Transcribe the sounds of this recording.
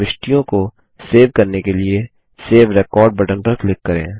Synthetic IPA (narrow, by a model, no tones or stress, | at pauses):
ɪʃʈijõko | seːʋkɐɾnekelie | seːʋɾɛkɔːɾɖ̚bɐʈə̃npəɾklɪkːɐɾḛ̃ː